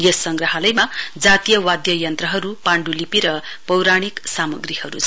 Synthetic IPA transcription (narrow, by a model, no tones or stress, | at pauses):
jʌsʌŋɡrʌɦʌlʌjmad͡zat̪ijʌwad̪jʌjʌnt̪rʌɦʌɾupaɳɖulipiɾʌ | pʌwɾaɽ̃iksamʌɡrihʌɾṵt͡sʰ